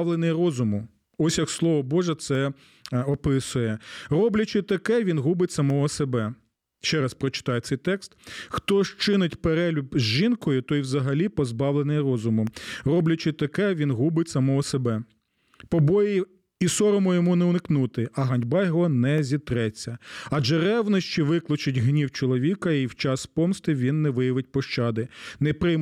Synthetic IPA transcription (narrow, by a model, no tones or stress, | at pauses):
ʋlˠenɪjrɔzʊmʊ | ɔsʲjɐkslˠɔʋɔbɔʒɛt̪sɛ | ɔpɪsʊjɛrɔblʲɐt͡ʃɪt̪ɐkɛʋʲinɦubɪtʲsɐmɔɦɔsebɛ | ʃt͡ʃɛɾɐspɾɔt͡ʃɪ̥t̪ɑjɛt̪sɛjt̪ɛkst̪xt̪ɔʃt͡ʃɪnɪtʲpeɾɛlʲʊbzʲʒinkɔjʊt̪ɔiwzɐɦɐlʲipɔzbɑwlˠenɪjɾɔzʊmʊrɔblʲɐt͡ʃɪt̪ɐkɛʋʲinɦubɪtʲsɐmɔɦɔsebɛ | pɔbɔji | isɔɾɔmɔjɔmunɛʊnɪknut̪ɪɐɦɐnʲbɑjɦɔnɛzʲit̪ɾɛt͡sʲːɐɐʒɛɾɛwnɔʃt͡ʃiʋɪklˠɔt͡ʃɪtʲɦnʲiwt͡ʃɔlˠɔʋʲikɐiwt͡ʃɑspɔmst̪ɪʋʲinːɛʋɪjɐʋɪt̚ʲpɔʃt͡ʃɑd̪ɪnɛpɾɪjm